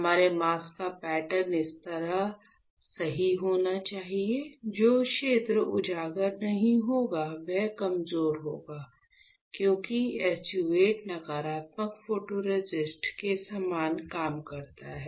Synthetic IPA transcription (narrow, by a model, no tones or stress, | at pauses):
ɐmaːɾemaːskapɛːʈəɾnɪst̪ɐɾaɦ | sɐɦiɦoːnat͡ʃaːɦied͡ʒoːʃeːt̪ɾəʊd͡ʒʱaːɡəɾnɐɦĩɦoːɡaʋɛkɐmzoːɾɦo̰ːɡaː | kjõːkiɛːst͡ʃueːʈnɐɡaːɾaːt̪məkfoːʈoɾed͡ʒɪsʈkesaːmaːnkaːmkɐɾt̪aɦɛː